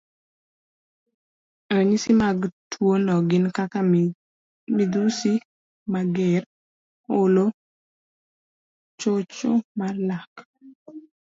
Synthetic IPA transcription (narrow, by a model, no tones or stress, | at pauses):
əɲisimaɡtʰwonɔɡɪnkaka | mid̪usi | maɡɛr | olo | t͡ʃot͡ʃomarlak